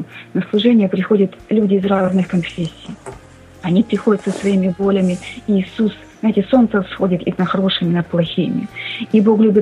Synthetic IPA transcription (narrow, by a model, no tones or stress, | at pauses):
nəslˠʊʐɛnʲɪjəpɾʲɪxo̞dʲət̪lʲudʲɪːzraznɨxkɐnfʲesʲːɪj | ɐnʲipɾʲɪxo̞dʲət̪səsvɐimʲɪbo̞lʲɪmʲɪiːsusznajtʲɪso̞nt̪səsxodʲɪt̪ḭnəxɐɾo̞ʂɨmʲɪnɐt̪̚plˠɐxʲimʲɪ̰ibo̞klʲubʲɪt̪